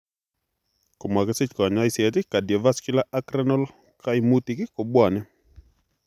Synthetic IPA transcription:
ko˨mwa˨kɛ˦sɪ˦t͡ʃkɔ˨ɲa˦ɪ˦sjɛ˨tɪ˦ka˨djɛ˨va˦skɪ˦la˦a˦kɾɛ˦nɔ˦l | kʰa˦ɪ˨mu˦t̪i˨kɪ˦ko˨bwa˨nɛ˦

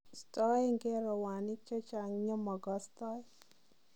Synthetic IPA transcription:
st̪ɔ˦jŋɡɛ˦ɾɔ˨wa˨ni˦t͡ʃɔ˦t͡ʃa˨ŋɲɔ˦mɔ˨ɡɔst̪ɔ˦j

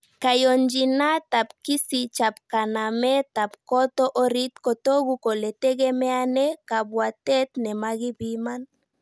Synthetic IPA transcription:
ka˨jɔ˨ɲd͡ʒi˨na˦ta˨pki˦si˨t͡ʃa˨p̚ka˨na˨mɛ˦ta˨p̚kɔ˦tɔ˦ʔɔ˦ɾi˦tkɔ˨to˦ɣu˨kɔ˨lɛ˨tɛ˦ɣɛ˦mɛ˦a˦nɛ˦ka˨bwa˨tɛ˦tnɛ˨ma˦ɣi˦bi˦ma˦n

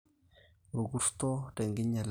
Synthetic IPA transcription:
ɾu˨ɡu˦ɾt̪ɔ˦de˨ŋɡi˦ɲa˨l

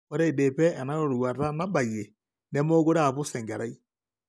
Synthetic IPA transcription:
ɔ˦ɾɛ˦i˨de˨pɛ˦ɛ˨na˦ɾo˨ɾwa˨ɾa˦na˦ba˨je˨ | nɛ˦mo˦ɣo˦ɾa˨βo˦sɛ˨ŋɡa˨ɾa˦i˦

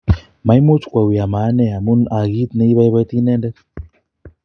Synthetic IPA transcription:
ma˨i˦mo˦t͡ʃu̥˨kwa˨wi˨a˨ma˨˦nɛ˦a˨mu˦na˨ɣi˦t̪nɛ˦i˦βa˦i˦βa˦t̪i˦nɛ˦ndɛ˦

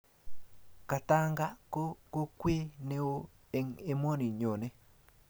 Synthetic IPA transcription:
ka˨ta˦ŋɡa˦ko˦ko˦kwe˦ne˦wo˦ | e˨ŋe˦mɔ˦ni˨ɲo˨ne˦

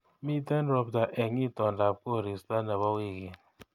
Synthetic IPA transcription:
mi˦te˦nɾɔ˨bda˨ʔe˨ŋi˦˨tɔ˨n˨da˨p̚ko˦˨ɾi˨sta˦na˨βɔ˦ki˦˨ɡe˨

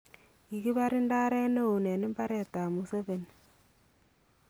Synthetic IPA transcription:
i˨ki˦ba˦ɾɪ˦nda˦ɾɛ˦ne˦o˨ne˨nɪ˦mba˦ɾɛ˦˨ta˨mu˨se˦βe˨n

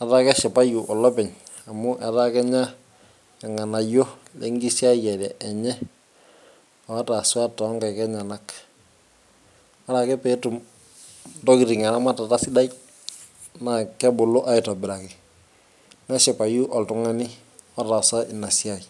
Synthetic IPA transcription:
a˨ta˦kɛ˦ʃɛ˨pa˦ju˨ʔɔ˨lɔ˦pɛ˨ɲ | a˨mʊ˦ʔɛ˨ta˦kɛ˦ɲa˦ | ka˨ŋa˨na˨jo˦le˦ŋɡi˦si˦a˦jɛ˨lɛ˨ʔːɲɛ˦ | a˨wa˦ta˨swa˦tɔ˨˦ŋɡa˨kɛ˦ɲa˨na˦k | wa˦ɾa˨kɛ˦pɛ˦tu˨m | dɔ˦ki˨ɾi˨ŋa˨na˦ma˦ta˨ta˦sɪ˦da˦j | na˨kɛ˦bʊ˨lo˦ʔa˦ɪ˨tɔ˨bɪ˨ɾa˨ki˨ | nɛ˦ʃɛ˨pa˨ju˦ʔɔ˨ltʊ˨˦ŋa˦ni˦ | wa˦ta˨sa˦ʔɪ˨na˨si˦a˦˨i˨

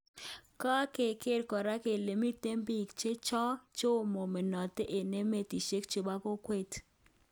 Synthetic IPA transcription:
kɔ˦ke˨ke˦ɾkɔ˨ɾa˦ke˨le˨mi˦t̪e˦mbi˦˨kt͡ʃe˦t͡ʃɔ˦t͡ʃo˦˨mo˨me˨nɔ˨t̪e˦ʔe˨ne˦me˨t̪i˨ʃe˦kt͡ʃe˨ba˦ko˦kwe˦t

